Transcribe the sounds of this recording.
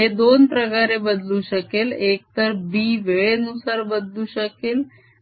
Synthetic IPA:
ɦed̪onpɾəkaɾebəd̪luːɕəkelek̚t̪əɾbiːʋeɭenusaɾbəd̪luːɕəkel

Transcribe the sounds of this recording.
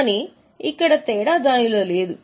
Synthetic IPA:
ni | ikːɐɽɐt̪ɛːɽaːd̪aːniloːleːd̪u

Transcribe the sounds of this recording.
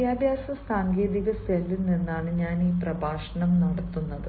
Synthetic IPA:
jaːbʱjaːsɐmsaːŋɡe̞ːðiɣɐselːinenːaːɳɨɲaːniːprɐbʱaːʂɐɳɐmnɐɽɐt̪ːunːɐðɨ

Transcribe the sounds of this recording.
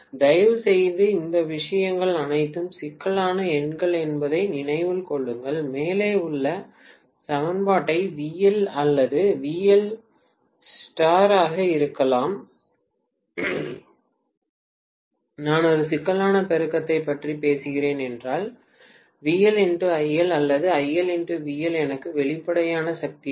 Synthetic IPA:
d̪ɐjɐʋɯsɛjðɯɪnd̪ɐʋɪʂɐjɐŋɡɐɭɐnɐɪt̪ːɯmsɪkːɐɭaːnɐɛɳɡɐɭɛnbɐðɐɪnɪnɐɪʋɯlkɔɭːɯŋɡɐɭmeːleːʊɭːɐ | sɐmɐnbaːʈːɐɪʋiːjɛlɐlːɐðɯʋiːjɛl | sʈaːɾaːɣɐɪɾɯkːɐlaːm | naːnɔɾɯsɪkːɐlaːnɐpɛɾɯkːɐt̪ːɐɪpːɐʈripeːsɯɣɪɾeːnɛndraːl | ʋiːɛlɛnɖɯɐɪːɛlɐlːɐðɯɐjːɛlɛɳɖɯʋiːjɛlɛnɐkːɯʋɛɭɪpːɐɽɐjaːnɐsɐk̚t̪i

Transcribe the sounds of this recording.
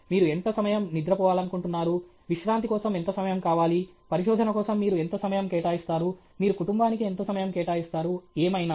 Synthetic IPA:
miːɾue̞nt̪osɐmɐjɐmnid̪ɾɐpɔːʋaːlɐnukuɳʈunːaːɾu | ʋiʂɾaːnt̪ikɔːsɐme̞nt̪oːsɐmɐjɐmkaːʋaːli | pɐɾiʃɔːd̪ʱɐnɐkɔːsɐmːiːɾue̞nt̪oːsɐmɐjɐmkɛːʈaːjist̪aːɾu | miːɾukuʈumbaːnikie̞nt̪oːsɐmɐjɐmkɛːʈaːjist̪aːɾueːmɐjnaː

